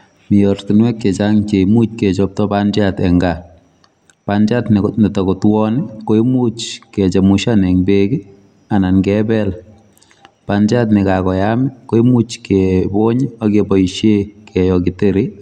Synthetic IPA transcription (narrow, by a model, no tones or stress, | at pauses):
mijɔrtinwɛk̚ket͡ʃaŋt͡ʃemut͡ʃ̚ket͡ʃɔp̚tɔpand͡ʒatɛŋɡa | pand͡ʒatnnitɔkotwɔnikoimut͡ʃkɛt͡ʃamuʃanɛŋbeki | ananɡɛbɛl | pand͡ʒatnikakɔjamɪkoimut͡ʃkeboɲakebɔiʃjekɛjɔkiteɾi